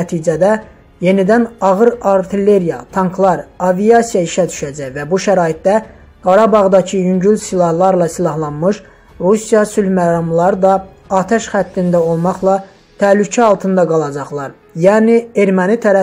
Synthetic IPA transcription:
æt̪ʰiːd͡ʒæd̪æ | je̞nid̪ænɑɣɯɾɑɾt̪ʰile̞ɾijɑt̪ʰɑŋkʰlˠɑɾɑvijɑsijɑiʃæd̪y̥ʃæd͡ʒæjvæbuʃæɾɑːit̪̚d̪æ | ɡ̥ɑɾɑbɑʁd̪ɑcʰɯjyɲɟylsilˠɑhlˠɑɾlˠɑsilˠɑɦlˠɑnmɯʃ | ɾusijɑsylmæɾɑmlˠɑɾɯd̪ɑ | ɑːt̪ʰæʃχæt̪ːind̪æo̞lˠmɑχlˠɑ | t̪ʰælycʰæɑlˠt̪ʰɯnd̪ɑɡɑlˠɑd͡ʒɑχlˠɑɾ | jæːnie̞ɾmænit̪ʰæɾæ

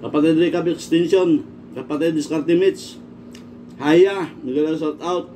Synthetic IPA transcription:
kapat̪ad̪ɾikabɛkst̪insiɔn | kapat̪ad̪iskart̪imit̪s | hajamiɡalasat̪aut̪̚

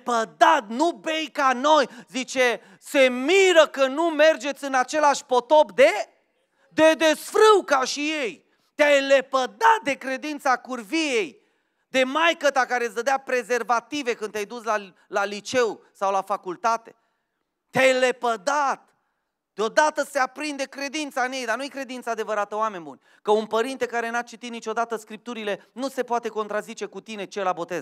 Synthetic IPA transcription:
pəd̪at̪̚nube̞jkano̞jzit͡ʃe | se̞miɾəkənume̞rd͡ʒe̞t̪sʲɨnat͡ʃe̞laʃʲpo̞t̪o̞pd̪e̞ | d̪e̞d̪esfɾɨwkaʃijej | t̪eajlepəd̪at̪̚d̪e̞kɾe̞d̪int̪sakurvije̞j | d̪e̞majkət̪akaɾezd̪əd̪eapɾe̞ze̞rvat̪ive̞kɨnd̪ʲajd̪usla | lalit͡ʃe̞wsawlafakult̪at̪e̞̥̰ | t̪eajlepəd̪at̪ | d̪̥eo̞d̪at̪əse̞apɾind̪e̞kɾe̞d̪int̪saɨnje̞jd̪anujekɾe̞d̪int̪saːd̪e̞vəɾat̪əoame̞nʲbunʲ | kəunpəɾint̪e̞kaɾe̞nat͡ʃit̪it̪nit͡ʃo̞d̪at̪əskɾip̚t̪uɾile̞nuse̞poat̪e̞ko̞nt̪ɾazit͡ʃe̞kut̪ine̞t͡ʃelabo̞t̪e̞z

